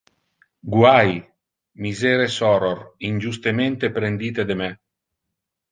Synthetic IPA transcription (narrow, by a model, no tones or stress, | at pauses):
ɡwaj | mizeːɾesɔɾorinʲd͡ʒust̪ement̪epɾend̪iːt̪ed̪emɛ